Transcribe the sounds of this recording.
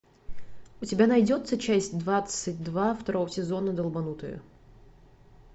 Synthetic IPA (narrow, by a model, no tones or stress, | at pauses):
ʊtʲɪbʲanɐjdʲo̞t̪sət͡ɕæsʲtʲd̪vat̪sɨtʲd̪vaft̪ɐɾo̞vəsʲɪzo̞nəd̪əlˠbɐnut̪əjʊ̰